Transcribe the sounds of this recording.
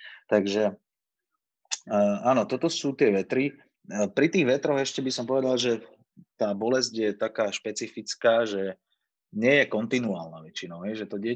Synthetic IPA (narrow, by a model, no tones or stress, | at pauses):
t̪aɡʒɛ | aːnɔt̪ɔt̪ɔsuːt̪ɪɛʋɛt̪ɾi | pɾit̪iːɣʋɛt̪ɾɔɣɛʃcɛbisɔmpɔʋɛd̪alʒɛ | t̪aːbɔlɛzɟjɛt̪akaːʃpɛt͡sifit͡skaːʒɛ | ɲɪɛjɛkɔnt̪inuaːlnaːʋɛt͡ʃinɔʊɦɛjʒɛt̪ɔɟɪɛ